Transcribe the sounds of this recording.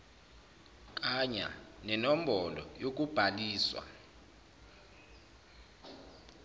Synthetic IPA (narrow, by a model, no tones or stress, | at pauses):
k̬ʼaɲa̰nɛnom̩bɔlɔ̰jok̬ʼub̥ʱaliːswa̰